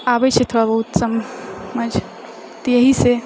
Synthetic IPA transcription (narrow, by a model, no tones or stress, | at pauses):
abɛt͡ʃʰet̪ʰoɽabəɦut̪səmːəd͡ʒ | t̪ɔjəɦise